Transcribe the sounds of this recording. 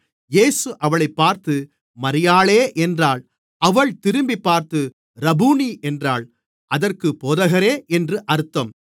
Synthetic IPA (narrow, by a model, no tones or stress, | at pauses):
jeːsɯʔɐʋɐɭɐɪpːaːɾt̪ɯ | mɐɾɪjaːɭeːʔɛndraːɭ | ɐʋɐɭt̪ɪɾɯmbipːaːɾt̪ɯ | ɾɐbuːniʔɛndraːɭ | ʔɐðɐrkɯpoːðɐɣɐɾeːʔɛndrɯʔɐɾɯt̪ːɐm